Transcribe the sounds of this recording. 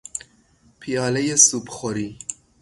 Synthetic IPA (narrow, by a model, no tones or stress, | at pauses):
pʰijɑːlɛjesupxɔɾiː